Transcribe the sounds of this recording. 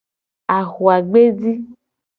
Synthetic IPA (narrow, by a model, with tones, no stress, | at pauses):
a˨xu˨a˨ɡ͡be˦di˦